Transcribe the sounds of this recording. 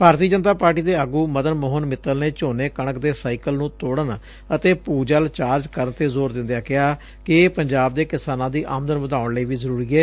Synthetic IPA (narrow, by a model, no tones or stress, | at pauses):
bʱaːɾt̪iəd͡ʒənt̪aːpaːɾʈiːd̪eːəɡuːməd̪ənmoːɦənmɪt̪ːəlneːt͡ʃoːneːkəɳəkd̪eːsaːiːkəlnũːt̪oːɽən | ət̪eːpuːd͡ʒəlt͡ʃaːɾd͡ʒkəɾənt̪eːzoːɾd̪ɪ̃nd̪jaːkɪaː | kɪeːpəɲd͡ʒaːb̚d̪eːkɪsaːnãːd̪iːʔa̰ːmd̪ənʋəd̪aːʊɳleːʋiːzəɾuːɾiːɛː